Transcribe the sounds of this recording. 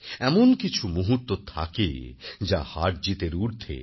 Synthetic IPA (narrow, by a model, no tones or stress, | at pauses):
ɛmonkit͡ɕʰumuɦut̪ːot̪ʰa̰kḛd͡ʑahaʈ̚d͡ʑit̪eɾuɾt̪ʰḛ